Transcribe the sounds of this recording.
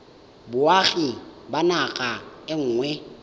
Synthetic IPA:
bʊaɣibanaɣʼaɪŋ̩ːŋwɛ

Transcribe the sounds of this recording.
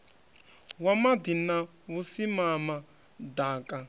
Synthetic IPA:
wamad̪ina | βusimama | daːkʼa

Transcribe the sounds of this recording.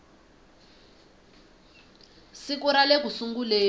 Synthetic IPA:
sikuɾalek̬usuŋɡuleː

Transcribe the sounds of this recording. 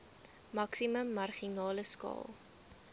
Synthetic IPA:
mɐksiməmːɐrχinɑːləskɑ̰ːlˠ

